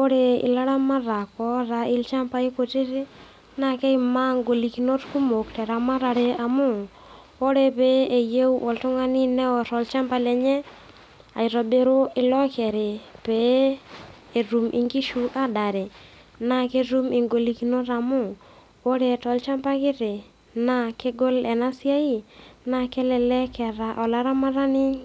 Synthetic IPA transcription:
o˦ɾe˨ḭ˨la˦ɾa˦ma˦ɾa˨kɔ˦ɾa˨i˦lt͡ʃa˦mpa˦i˦ko˨ti˦ɾi˦ | na˦kɛ˦ima˦ŋɡo˨li˨ki˨no˦tku˦mo˨ktɛ˨ɾa˨ma˦ɾa˨ɾe˨a˨mu˦ | wo˦ɾe˨pe˨˦e˨je˦wwɔ˨ltu˦ŋa˦ni˦nɛ˦wɔ˨tɔ˨lt͡ʃa˦mpa˨lɛ˨ɲɛ˦ | a̰˨jɾɔ˨be˦ɾo˦ɪ˨lɔ˦kɛ˨ɾɪ˨pe˨˦˨ | ɾu˨mʔḭ˨ŋɡi˦ʃu˦ʔa˦da˨ɾe˨ | na˨ke˦ɾu˦mɪ˨ŋɡo˨li˨ki˨˦no˦ɾa˨mʊ˦ | o˦ɾe˦˨tɔ˨lt͡ʃa˦mpa˦kɪ˦ɾe˨ | na˦ke˦ɡo˦lɛ˨na˦sɪ˦a˦i˦˨na˨kɛ˦lɛ˨lɛ˦kɛ˨ɾa˨ʔɔ˨la˨ɾa˦ma˦ɾa˦nɪ˦

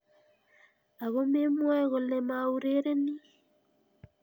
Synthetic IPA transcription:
a˨ɣo˦me˦mwɛ˦ɣo˨le˨ma˨u˦ɾe˦ɾe˦ni˦

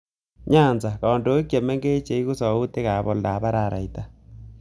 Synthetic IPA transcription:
ɲaː˦˨nza˨ka˨ndo˨˦e˦kje˨mɛ˦ŋɡe˦t͡ʃe˨i˦ɣo˦sa˨o˦te˦ɣa˨βɔ˦lda˨βa˦ɾa˦˨ɾa˨i˨ta˦

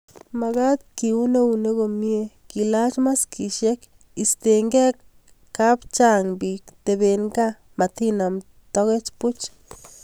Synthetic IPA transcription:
ma˨ɡa˦t̪̚ki˨u˦ne˦u˨ne˦ɡo˨mje˦ | ki˨la˦t͡ʃma˦ski˨ʃe˦k | i˨st̪e˨ŋɡɛ˦kː | a˦pt͡ʃa˦ŋbi˨kt̪e˨be˨nɡa˦ | ma˨t̪i˦na˨m | t̪ɔ˦ɣe˦t͡ʃpu˦t͡ʃ

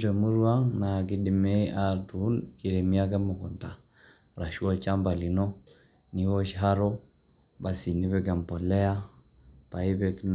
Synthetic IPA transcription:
d͡ʒo˨mu˦ɾu˦wa˦ŋna˨ki˦di˨me˦a˨tu˨u˦nki˨ɾe˨mi˦a˦ke˦mo˨ɡo˨nta˨ | ɾa˨ʃu˦o˦t͡ʃa˦mba˨li˨no˦ | ni˦wo˦ʃɦa˦ɾo˦ | ba˨si˨ni˦bɛ˦ɡa˨mpo˨le˦ja˦ | pa˨i˦bɛ˨kn

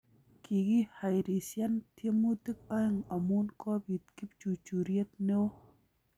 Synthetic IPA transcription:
kʰi˨ɡi˦ha˨jɾi˨sja˦nt̪ʰe˦mu˦t̪i˦k̚ɔ˦ɪ˦ŋa˨mu˦nkɔ˦bi˨t̪̚ki˦p̚t͡ʃu˨t͡ʃu˨ɾje˦t̪̚ne˦w

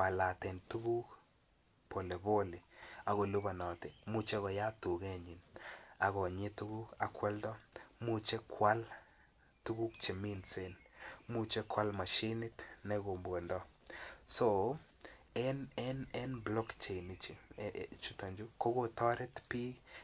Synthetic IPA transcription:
pa˨la˨tɛ˨ntu˦ɡu˦k | po˨le˨bo˦lɪ˨a˨ɣo˨lu˦ba˨nɔ˨tɪ˨mu˦t͡ʃe˦ɣɔ˨ja˦tu˨ɡe˦ɲi˨na˨ɣɔ˨ɲɪ˦tu˦ɡu˦ka˨kwɛ˦ldɔ˦mu˦t͡ʃe˦kʰwa˦l | tu˦ɡu˦kt͡ʃe˨mi˦nse˦nmu˦t͡ʃe˦kwa˦lma˨ʃi˦nɪ˦tnɛ˦ɡo˨mbwo˨ndɔ˦so˨ | ɛ˦nɛ˦nɛ˦nblɔ˦kt͡ʃe˨jni˨t͡ʃi˨t͡ʃu˦ta˨ɲd͡ʒu˦ko˦ɡo˦tɔ˦ɾɛ˦tpi˦

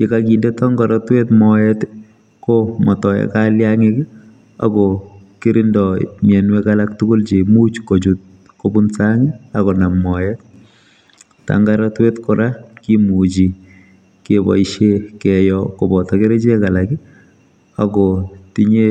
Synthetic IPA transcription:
ke˨kaki˨nde˦taŋɡaɾɔtwe˦tmɔjɛt | komɔ˨tɔ˨jɛ̰˦kaljaŋɪk | a̰kɔki˦ɾɪ˦ndɔ̰˨mjɛ˨nwekalak̚tuko˦lt͡ʃe˨mu˦t͡ʃko˨t͡ʃut̚ | ko˦bu˦nsaŋɪakɔ˨na˨mːɔ˨jɛt̚ | ta̰ŋɡaɾɔtwe˦tko˨ɾa˦kimu˨t͡ʃi˨ | kebɔ̰˨iʃe˦kɛ˨jɔko˨bɔ˨tɔke˦ɾe˦t͡ʃe˦ka˨laki˦ | akɔti˦ɲe˦

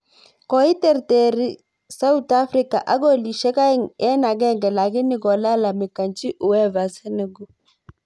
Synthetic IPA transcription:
kɔ˨i˦tɛ˦˨ɾte˨ɾi˦ | sa˦u˦t̪a˦fri˦ka̰˨ʔa˦ɡo˦li˨ʃɛ˦ka˦ŋɛ˦na˨ɡɛ˦˨ŋɡɛ˨la˨ɡɪ˦nɪ˦ɡɔ˨la˦la˨mɪ˨ka˨nt͡ʃi˦ʔu˨wɛ˦va˨sɛ˦nɛ˨ɡu˦

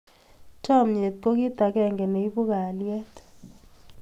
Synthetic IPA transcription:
tʰɔ˦˨mɲe˨t̪̚ko˦k̬i˦t̪a˨kɛ˦˨ŋɡɛ˨ne˨i˦bu˦ka˨ljɛ˦t

